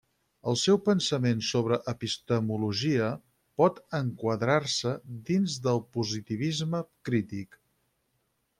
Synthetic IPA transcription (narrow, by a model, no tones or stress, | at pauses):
əlˠsɛwpənsəmensoβɾəʔəpist̪əmuluʒiə | pɔt̪əŋkwəðɾarsəd̪inzðəlˠpuzit̪iβ̞izməkɾit̪ik